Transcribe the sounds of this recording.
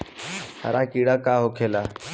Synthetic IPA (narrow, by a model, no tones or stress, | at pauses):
ha̰ɾʔaːkiːɽaːkaːɦokʰeːlaː